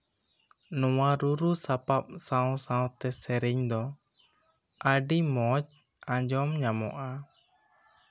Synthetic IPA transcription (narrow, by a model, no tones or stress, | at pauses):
nɔwaɾuɾusapap̚sawsãw̃t̪ɛsɛɾɛɲd̪ɔ | ʔəɖimɔt͡ʃ | ãd͡ʒɔmɲamɔ̰ʔa